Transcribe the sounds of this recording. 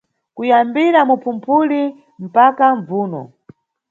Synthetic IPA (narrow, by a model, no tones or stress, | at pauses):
kujambiɾamupʰumpʰuli | m̩pakaɱvuːnɔ̰